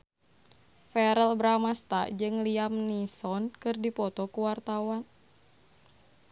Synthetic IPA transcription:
fɛɾɛlbɾamast̪a̰d͡ʒɨŋliamnisɔnkɨrdipɔt̪ɔkuwart̪awan

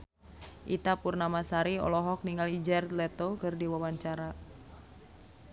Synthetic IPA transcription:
ʔḭt̪apurnamasaɾiɔ̰lɔɦɔk̚niŋalid͡ʒɛrt̪lɛt̪okɨrdiwawaɲt͡ʃaɾa

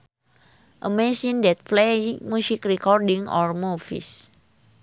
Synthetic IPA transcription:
ʔəmesindɛt̪̚plemusikrikɔrdiŋɔrmufḭs

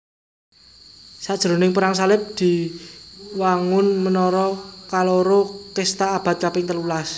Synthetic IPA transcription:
sad̥ʒ̥ɾo̤nɪŋpəɾaŋsalɪp̚d̪̥i̤ | waŋʊnmənɔɾɔkaloɾokest̪aːb̥a̤t̪̚kapɪŋt̪ərlulas

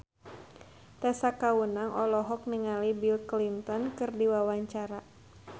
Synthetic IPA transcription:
t̪asakawunaŋʔɔlɔɦɔk̚niŋalibilklint̪ɔnkɨrdiwawaɲt͡ʃaɾa

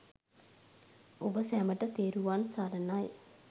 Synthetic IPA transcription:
ubɐsɛːmɐʈət̪eːɾuʋaːnsaːɾɐnːaːj̰

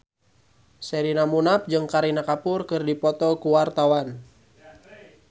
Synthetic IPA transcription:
sɛɾinamunap̚d͡ʒɨŋkaɾinakapʊrkɨrdipɔt̪ɔkuwart̪awan

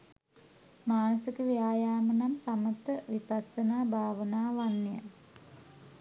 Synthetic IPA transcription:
maːnusikəʋijaːjaːmənamsamət̪əʋipasənaːbʱaːʋənaːʋanːijə̰

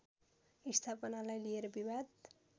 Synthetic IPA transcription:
ist̪ʰapʌnalajlijeɾʌbiwad̪

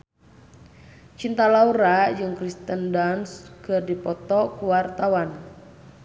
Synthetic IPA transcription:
t͡ʃint̪alauɾad͡ʒɨŋkɾist̪əndanskərdipɔt̪ɔkuwart̪awan

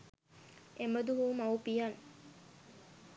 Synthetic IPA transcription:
eməd̪uɦumɐwpijɐn

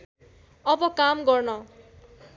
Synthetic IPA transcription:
ʌbʌkamɡʌrnʌ

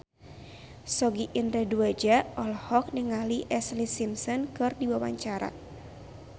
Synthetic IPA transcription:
sɔɡiʔinɾɛduad͡ʒaɔlhɔk̚nəŋaliʔɛslisimsɔnkɨrdiwawaɲt͡ʃaɾa̰

